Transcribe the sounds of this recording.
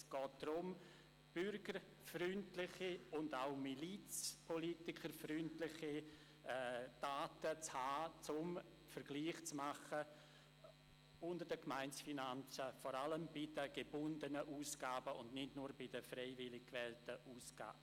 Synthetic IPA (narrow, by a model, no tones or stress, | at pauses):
sɡ̥ɔːt̚d̥rʊm | b̥ʏɾɡ̥əɾ | fɾʏntlɪχiʊndaʊmilit͡spʰɔlitɪkʰəɾfrʏntlɪχi | d̥aːtət͡shaːt͡sʊm | fəɾɡ̥liːχt͡smaχə | ʊndəd̥əkmaɪnsfinant͡səfɔɾaləmbɪdəɡ̥ebʊndənəʔuːsɡ̥aːbəʔʊndnɪdnuːɾbɪdəfrɛɪvɪlɪkkvɛltəʔuːsɡ̥a̰ːbə